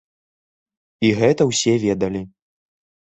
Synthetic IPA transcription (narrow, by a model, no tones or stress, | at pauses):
iɣɛt̪ɐwsʲɛvʲɛd̪ɐlʲi